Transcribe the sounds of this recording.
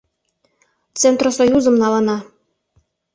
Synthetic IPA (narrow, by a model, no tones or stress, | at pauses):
t͡sent̪rosojuzə̆mnɑlɤ̆nɑ